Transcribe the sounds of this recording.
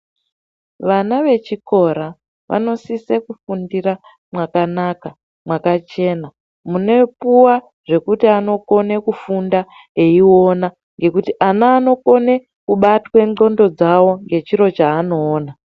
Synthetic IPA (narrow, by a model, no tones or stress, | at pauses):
ʋanaʋe̞t͡ʃiko̞ɾa | ʋʔa̰no̞sisekufundiɾa | mwakanaːka | mwakat͡ʃe̞na | mune̞puwa | ʐe̞kutiano̞ko̞ne̞kufunda | e̞io̞na | ŋɡe̞kutiʔanaːno̞ko̞ne̞ | kuɓatwe̞ŋ͡ǃo̞ndo̞d͡zawo̞ŋɡe̞t͡ʃiɾo̞t͡ʃaːno̞ːna